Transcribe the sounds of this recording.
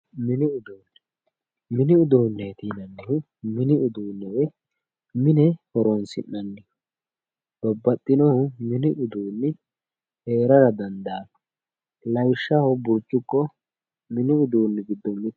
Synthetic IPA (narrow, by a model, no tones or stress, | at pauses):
mɪnɪʊd̪oːnːɛ | mɪnɪʊd̪oːnːɛjt̪iːnɐnːɪhʊ | mɪnɪʊd̪uːnːɛwɛ | mɪnɛhɔɾɔnsɪ̰nːɐnːɪ | b̥ɔbːɐt̪ʼːɪnɔhʊmɪnɪʔʊd̪uːnːɪ | he̞ːɾɐɾɐd̪ɐnd̪ɐːn | lɐjʃːɐhɔbʊɾt͡ʃːʊkːɔ | mɪnɪʊd̪uːnːɪɡɪd̪ːɔmːɪt̪